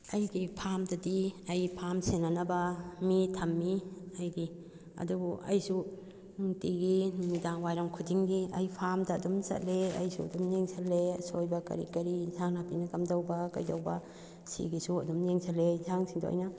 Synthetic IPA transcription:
ɐjɡipʰamdɐdiɐjpʰamsenɐnɐbɐmitʰɐmːiɐjɡi | ɐ̰dubuʔɐ̰jsu | nuŋtiɡinidaŋwajɾɐŋkʰudiŋɡiɐjpʰamdɐːdumsɐ̰t̚leɐ̰jsṵɐ̰dumneŋsʰalːesojbɐkɐ̰ɾḭkɐɾizaŋnapinɐkɐmdɐwbɐkɐ̰jdɐwbɐ | sḭɡisuɐdumneŋsʰɐlːezaŋsiŋdo̰a̰jnɐ

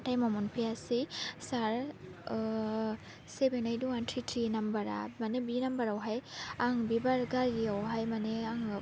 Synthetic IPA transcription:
tajmɔmɔnpʰijasisaɹ | sebenajduantʰitʰinambaɾa̰manebinambaɾawɦajaŋbibaɾɡaɾɡiawɦajmaneaŋ

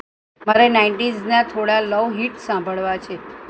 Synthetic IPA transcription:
maɾenaiɳʈiznat̪ʰoɽaləʋɦiʈsãmbʱəɭʋat͡ʃʰe

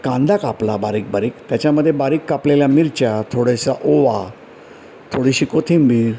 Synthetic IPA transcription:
kãnd̪ʱakaplabaɾiːk̚baɾiːkt̪jat͡ɕjaməd̪ʱːjebaɾiːkːapleljamiɾt͡ɕjat̪ʰoɽeɕaʔoʋa | t̪ʰoɽiɕiːkot̪ʰimbʱi

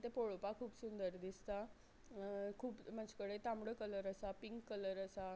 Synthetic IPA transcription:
t̪epoɭopakʰuːpsund̪əɾd̪ist̪a | kʰuːpməd͡ʑkəɽet̪ãmɽəkələɾəsapiŋkːələɾəsa

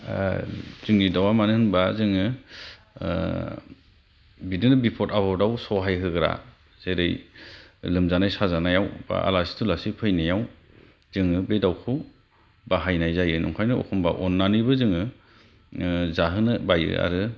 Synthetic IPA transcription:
z̥ɯŋnidawamanɯɯŋbazɯŋɯ | bidɯnɯbipʰɔtabɔdawsɔɦajɦɯɡɯɾa̰ | z̥eɾɯj | lɯmzanajsazanajawba̰a̰lasi̥tʰulasipʰɯjnajaw | z̥ɯŋɯbedawkʰɯw | baɦajnajzajɯnɔ̰ŋkʰajnɯɔ̰kʰɔmba̰ʔɔnːanɯjbɯzɯŋɯ | zaɦɯnɯbajɯ̰a̰ɾɯ

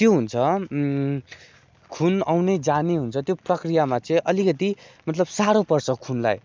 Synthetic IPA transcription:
t̪joɦunt͡sʰʌ | kʰunawned͡zaneɦunt͡sʰʌt̪joprʌkrijamat͡sʌĩʔʌlikʌt̪imʌt̪lʌbsaɾopʌrsʌkʰunla̰j

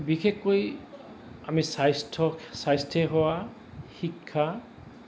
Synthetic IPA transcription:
bixekːoj | amisajstʰɔsajstʰɛɦɔwa | xikʰːa

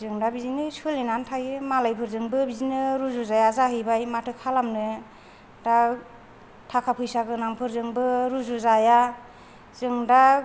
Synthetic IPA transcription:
zɯŋdabizinɯsɯlinantʰajɯmalajpʰɯɾzɯŋbɯbizinɯɾuzuzajazaɦɯjbajmatʰɯkʰalamnɯ | da | tʰakʰapʰɯjsaɡɯnaŋpʰɯɾzɯŋbɯɾuzuzaja | zɯŋda

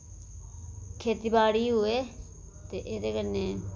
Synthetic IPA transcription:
kʰeːt̪iːbaːɽiːɦʊeː | t̪eːʔeːd̪eːkəneː

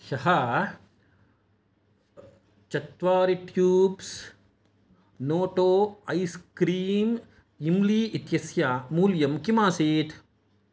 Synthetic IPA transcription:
ʃɐɦɐ | t͡ʃɐt̪ʋaːɾiʈjuːbs | noːʈoːɐjskɾiːm | imliːʔit̪jɐsjaːmuːljɐmkimaːsiːt̪ʰ

